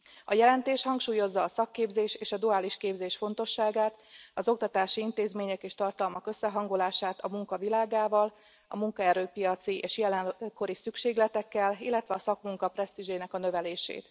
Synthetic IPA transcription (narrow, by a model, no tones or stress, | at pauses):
ɒjɛlɛnt̪eːʃhɒŋkʃuːjo̞zːɒːsɒkːeːbzeːʃeːʃɒd̪uaːliʃkeːbzeːʃfo̞nt̪o̞ʃːaːɡaːt̪ɒzo̞k̚t̪ɒt̪aːʃiint̪eːzmeːɲɛkeːʃt̪ɒrt̪ɒlmɒkø̞sːɛɦɒŋɡo̞laːʃaːt̪ɒmuŋkɒvilaːɡaːvɒl | ɒ̰muŋkɒɛɾøːpijɒt̪siʔeːʃjɛlɛnko̞ɾisykʃeːɡlɛt̪ɛkːɛlḭlːɛt̪ʋɛɒsɒkmuŋkɒprɛst̪iʒeːnɛkɒnø̞vɛleːʃḛːt̪